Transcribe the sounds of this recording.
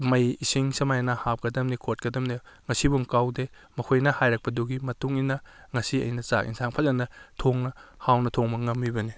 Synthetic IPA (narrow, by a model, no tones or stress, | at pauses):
mɐjisiŋsɐmajnɐhap̚kɐdɐmnikʰot̚kɐdɐmne | ŋɐsibuŋkawde | mɐkʰojnɐhajɾɐk̚pɐduɡimɐtuŋinɐŋɐsiɐ̰jnɐsa̰kḭnsʰaŋpʰɐzɐnɐtʰoŋnɐhawnɐtʰoŋmɐŋɐmbibɐni